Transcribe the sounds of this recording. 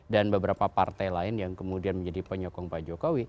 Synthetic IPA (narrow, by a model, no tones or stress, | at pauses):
danbəbəɾapapart̪ajlaɪnjaŋkəmudianməɲd͡ʒadipəɲɔkɔŋpad͡ʒokowi